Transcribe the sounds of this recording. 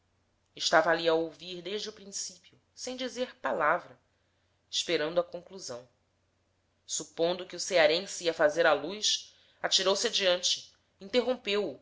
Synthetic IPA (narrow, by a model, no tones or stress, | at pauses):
ɪʃt̪avɐaliɐowviɾd̪eʒd͡ʒɪʊpɾĩsipiʊ | sẽj̃d͡ʒizeɾpalavɾɐ | ɪʃpeɾɐ̃nd̪ʊɐkõŋkluzɐ̃w̃ | supõnd̪ʊkɪuseaɾẽsiɐfazeɾalujʃ | at͡ʃiɾowsɪad͡ʒiɐ̃nt͡ʃɪ̥ | ĩnt̪eɦõpewː